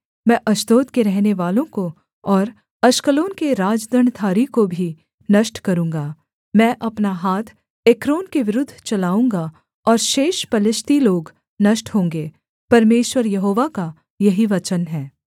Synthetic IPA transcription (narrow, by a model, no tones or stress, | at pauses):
mɛ̃ʔɐʃt̪oːt̪keɾɛɦneʋaːlõko | ɔːɾ | ɐʃkəloːnkeɾaːd͡ʒd̪ʱəɳt̪ʰaːɾikobʱi | nɐʃʈkɐɾũːŋɡaː | mɛ̃ːʔɐpnaɦaːt̪ʰ | eːkɾoːnkeʋɪɾʊd̪ʱːt͡ʃɐlaːũːŋɡa | ɔːɾʃeːʃpɐlɪʃt̪iloːɡ | nɐʃʈɦõːŋɡeː | pɐɾmeːʃwəɾjɐɦoːʋaka | jɐɦiʋɐt͡ʃənɦɛː